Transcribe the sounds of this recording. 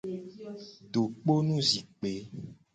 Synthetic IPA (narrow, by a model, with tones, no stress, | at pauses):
ɖo˨k͡po˦nũ˦zi˨k͡pe˨˦